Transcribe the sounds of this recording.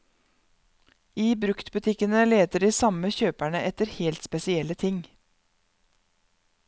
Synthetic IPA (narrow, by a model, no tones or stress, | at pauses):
iːbɾʉkt̪bʉt̪ʰɪkənəleːt̪əɖiːsɑməçøːpæɳəʔɛt̪əɾheːlt̪spɛsɪɛlːət̪ʰɪŋ